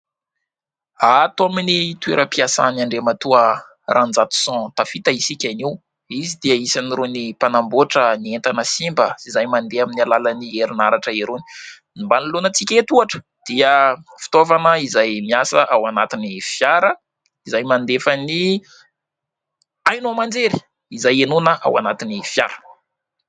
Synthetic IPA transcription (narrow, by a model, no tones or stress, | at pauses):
at̪oaminit̪ueɾəpiasa̰naɳɖ͡ʐemat̪uə | rʔand͡zat̪u̥sɔ̃t̪afit̪aisikʲaniw | izid̪iəisaniɾonipanamboʈ͡ʂənient̪anəsimbəsizajmand̪eaminialalanieɾinaɾaʈ͡ʂəeɾoni̥ | nimbanilonət͡sikʲet̪uaʈ͡ʂə̥ | d̪̥iəfi̥t̪ovanəizajmiasəʔawanat̪inifjaɾə | izajmand̪efəni | ajnuamand͡zeɾi̥ | izajenunəʔa̰wa̰nat̪inifja̰ɾə̥